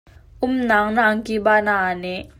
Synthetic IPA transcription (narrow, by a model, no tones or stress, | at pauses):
ʔʊmnaːŋnaːŋkibaːnanɛ